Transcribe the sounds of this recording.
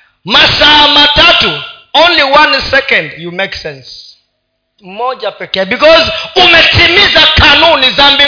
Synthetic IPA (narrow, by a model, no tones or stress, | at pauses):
masaamatʰatʰuõnliwãnsɛkɔ̃ndjumeksɛ̃ns | mɔd͡ʒapɛkɛbikʰɔzumɛtʰimizakʰanunizambi